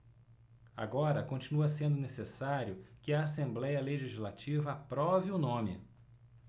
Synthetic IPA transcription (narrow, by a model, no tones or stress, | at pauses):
a̰ɡɔɾɐkõnt͡ʃinuɐsẽnd̪ʊnesesaɾjʊkɪɐːsẽmblɛjɐleʒizilat͡ʃivɐapɾɔvɪʊnõmɪ̰